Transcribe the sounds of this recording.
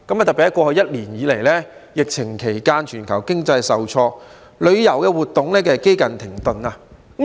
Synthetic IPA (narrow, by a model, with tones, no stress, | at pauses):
kɐ˨˦maː˨t̪̚pi˨t̪ɐ˥kɔː˧hɵ˧jɐ˥t̚liː˨˩njiː˨˧le˨˩jlɛː˥jɪ˨k̚t͡sʰɪ˨˩ŋkʰe˨˩jkaː˧nt͡ʃʰyː˨˩nkʰɐ˨˩wkɪ˥ŋt͡sɐ˧jsɐ˨wt͡sʰɔː˧ | lɵ˨˧ɥjɐ˨˩wkɛː˧wuː˨˩t̪ʊ˨˩ŋlɛː˥kɛː˧ke˥jkɐ˨nt̪ʰɪ˨˩ŋt̪ɵ˨˧naː˧